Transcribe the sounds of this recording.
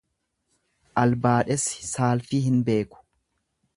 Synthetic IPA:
ʔɐlbaːᶑɛsɪ̥saːlfiːɦɪnbe̞ːkʊ̥

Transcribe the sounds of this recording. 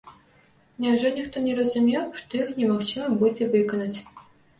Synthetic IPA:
nʲawʐɔnʲixt̪ɔnʲɛɾɐzumʲewʂt̪ɔjixnʲɛmaxt͡ʃɨmɐbud͡zʲɛvɨkɐnɐt͡sʲ

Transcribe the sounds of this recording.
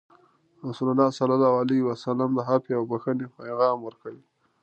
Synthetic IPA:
ɾasulalːɑsalalɑwaliiwasalamd̪əɦapeawbaxənepajɣɑmwəɾkawi

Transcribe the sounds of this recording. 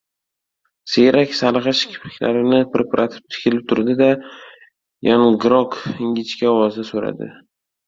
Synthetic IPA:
seɾakʲsalˠɨʁɑʃɪ̥kʲʰɪ̥flɪkʲlaɾɪnɪpɾepʰaɾʔat̪ʰɪ̥p̚t̪ʰɪ̥kʲʰɪlɪp̚t̪ʰʊɾd̪ɪd̪a | janɡɾɒkɪŋʲɪt͡ʃkʲaɒwɒzd̪asoɾa̰d̪ɪ̰

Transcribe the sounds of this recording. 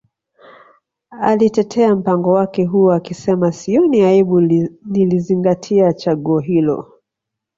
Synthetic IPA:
alitɛtʰɛam̩paŋɡɔwakɛɦuakisɛmasiɔniaiɓuniliziŋɡatʰiat͡ʃaɠuɔɦilɔ̰

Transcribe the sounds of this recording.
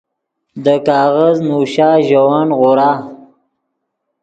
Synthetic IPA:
d̪əkɑːɣaznuʃɑːʒawɑːnɣʊɾɑː

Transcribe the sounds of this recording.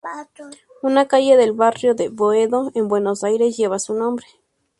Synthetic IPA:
unakaʝeðelβarjo̞ðeβoeðoembwe̞nosajɾesʝeβasunõ̞mbɾe

